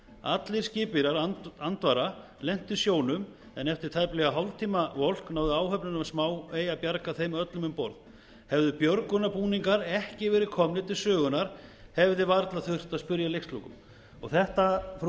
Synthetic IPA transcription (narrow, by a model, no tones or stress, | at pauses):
a̰t̪leɾ̥scɪːpɪɾaɾant̪vaɾa | lɛn̥t̪ʏ̥sjoːwnʏm | ɛnɛft̪ɪɾ̥t̪ʰajplɛɣaɦɔwlt̪ʰiːmavol̥knaːwðʏaːwɦœpnʏnamsmaːweːjapjaɾkaθejmœt̪lʏmʏmpɔɾð | hɛvðʏpjœɾkʏnapuːniŋkaɾɛhcɪvɛːɾɪðkʰɔmnɪt̪ʰɪlsœːɣʏnːaɾ̥hɛvðɪvaɾt̪laðθʏr̥t̪aðspʏɾjalejxst̪lukʏm | ɔɣθɛht̪af